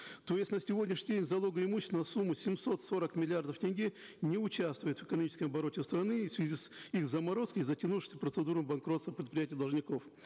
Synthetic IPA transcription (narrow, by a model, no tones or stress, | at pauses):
t̪o̞jɪsʲt̪ʲnəsʲɪvodʲnʲɪʃʂnʲɪdʲenʲzɐlˠo̞ɡəɪmuɕːst̪ənɐsumːʊsʲɪmso̞t̪so̞ɾəkmʲɪlʲɪard̪əftʲɪnʲɡʲi | nʲɪʊt͡ɕast̪vʊjɪt̪vɨ̥kənɐmʲit͡ɕɪskəmɐbɐɾo̞tʲɪst̪ɾɐnɨfsvʲɪzʲisixzɐmɐɾo̞skəjzətʲɪnuʂɨ̥sʲəpɾət̪sɨd̪uɾəmbɐnkɾo̞t̪st̪əpɾʲɪt̪̚pɾʲɪjætʲɪjəd̪ɐlˠʐnʲɪko̞f